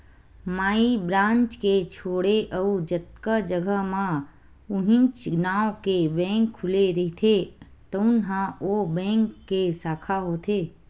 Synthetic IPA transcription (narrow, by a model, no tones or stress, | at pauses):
maːibɾãːnt͡ʃket͡ʃʰoːɽeʔəud͡ʒət̪kəd͡ʒəɡʱəɦmã | ʊɦɪ̃nt͡ʃnaːwkebɛ̃ːŋkʰːʊleɾəɦt̪ʰe | t̪əʊnɦãobɛ̃ːŋkːesaːkʰaɦoːt̪ʰeː